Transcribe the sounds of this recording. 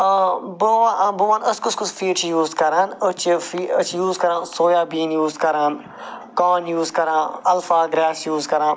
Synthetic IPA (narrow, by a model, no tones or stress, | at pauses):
boʋaboʋãːnɐskʊskʊsfiːt͡ʃjuːzkɐɾaːnɐt͡ʃfiɐt͡ʃjuːzkɐɾãːnsoːjaːbiːnjuːzkɐɾaːn | kaːnjuːzkɐɾãːɐlfaːɡɾaːsjuːzkɐɾãːn